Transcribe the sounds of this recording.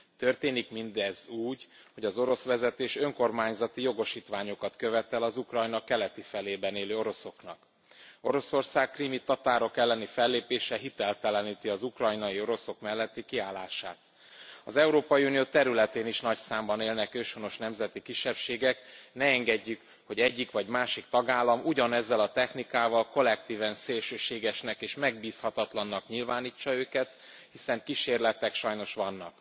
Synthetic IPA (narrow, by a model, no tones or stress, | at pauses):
t̪ø̞rt̪eːnikmind̪ɛzuːɟ | ho̞ɟɒzo̞ɾo̞sʋɛzɛt̪eːʃø̞ŋko̞rmaːɲzɒt̪ijo̞ɡo̞ʃiːt̪ʋaːɲo̞kɒt̪køvɛt̪ɛlɒzukrɒjnɒkɛlɛt̪ifɛleːbɛneːløːo̞ɾo̞so̞knɒk | o̞ɾo̞so̞rsaːkːrimit̪ɒt̪aːɾo̞kɛlːɛnifɛlːeːpeːʃɛɦit̪ɛlt̪ɛlɛniːt̪iɒzukrɒjnɒio̞ɾo̞so̞kmɛlːɛt̪ːikiaːlːaːʃa̰ːt̪̚ | ɒzɛuɾoːpɒjiunioːt̪ɛɾylɛt̪eːniʃnɒcsaːmbɒneːlnɛkøːʃono̞ʃnɛmzɛt̪ikiʃːɛpʃeːɡɛknɛɛŋɡɛɟːyk | ho̞ɟɛɟːikʋɒɟmaːʃik̚t̪ɒɡaːlːɒmuɟɒnɛzːɛlɒt̪ɛxnikaːvɒlko̞lɛk̚t̪iːvɛnseːlʃøːʃeːɡɛʃnɛkeːʃmɛɡ̚biːshɒt̪ɒt̪lɒnːɒkɲilvaːniːt͡ʃːɒøːkɛt̪ | hisɛŋkiʃeːrlɛt̪ɛkʃɒjno̞ʃʋɒnːɒk